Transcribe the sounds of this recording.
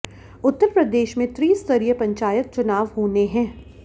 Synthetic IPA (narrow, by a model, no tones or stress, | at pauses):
ʊt̪ːəɾpɾɐd̪eːʃmẽt̪ɾiːst̪ɐɾiːəpɐ̃ɲt͡ʃaːjət̪̚t͡ʃʊnaːʋɦoːneɦɛ̃ː